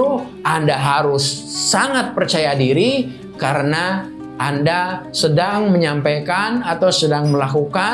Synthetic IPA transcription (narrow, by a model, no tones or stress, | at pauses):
u | ʔandaɦaɾʊsːaŋat̪̚pərt͡ʃajadiɾi | kaɾəna | ʔandasədaŋməɲampajkanat̪awsədaŋməlakuka